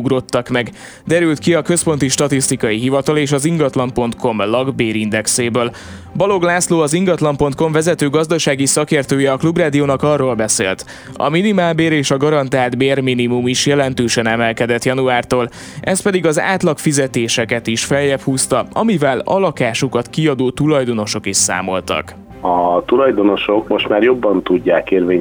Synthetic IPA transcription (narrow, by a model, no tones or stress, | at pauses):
uɡro̞t̪ːɒkmɛɡ | d̪ɛɾylt̪kiɒkø̞spo̞nt̪iʃt̪ɒt̪ist̪ikɒjiɦivɒt̪ɒleːʃɒziŋɡɒt̪lɒmpo̞nt̪ko̞mlɒɡbeːɾind̪ɛkseːbøːl | bɒlo̞ɡlaːsloːɒziŋɡɒt̪lɒmpo̞nt̪̚ko̞ɱvɛzɛt̪øːɡɒzd̪ɒʃaːɡisɒkeːrt̪øːjɛɒklubraːd̪ioːnɒkɒrːoːlbɛsḛːlt̪ | ɒ̰minimaːlbeːɾeːʃɒɡɒɾɒnt̪aːld̪beːrminimumiʃjɛlɛnt̪øːʃɛnɛmɛlkɛd̪ɛt̪jɒnuaːrt̪oːl | ʔɛs̚pɛd̪iɡɒza̰ːt̪lɒkfizɛt̪eːʃɛkɛt̪iʃfɛljɛphuːst̪ɒɒmivɛlɒ̰lɒkaːʃukɒt̪kiɒd̪oːt̪ulɒjd̪o̞no̞ʃo̞kiʃsa̰ːmo̞̰lt̪ɒ̰k | ɒt̪ulɒjd̪o̞no̞ʃo̞kmo̞ʃt̪maːrjo̞bːɒnt̪uɟːaːkeːrveː